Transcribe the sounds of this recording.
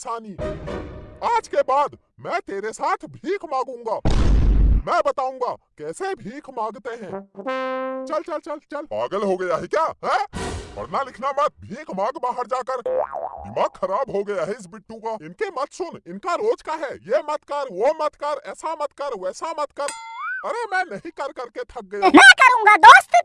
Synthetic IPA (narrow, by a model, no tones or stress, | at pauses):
saːniː | aːd͡ʒkebaːd̪ | mɛ̃ːt̪eːɾesaːt̪ʰbʱiːkʰmãːɡũːŋɡaː | mɛ̃ːbɐt̪aːũŋɡakɛːsebʱiːkʰmãːɡt̪eɦɛ̃ː | t͡ʃɐlt͡ʃɐlt͡ʃɐlt͡ʃɐlpaːɡəlɦoɡɐjaɦɛkjaːɦɛ̃ɔ̰ɾnalɪkʰnamɐt̪̚ʰbʱiːkʰmãːɡbaːɦəɾd͡ʒaːkəɾɪ̰maːɐɾaːbɦoɡɐjaɦɛɪs̬bɪʈːũkaɪnkemɐt̪ʰsʊnɪnkaɾoːd͡ʒkaɦɛjemɐt̪kɐɾʋomɐt̪kɐɾɛːsamɐt̪kɐɾʋɛːsamɐt̪kɐɾɐɾemɛ̃ːnɐɦĩkɐɾkɐɾket̪ʰɐk̚ɡɐjamɛ̃kɐɾũŋɡad̪oːst̪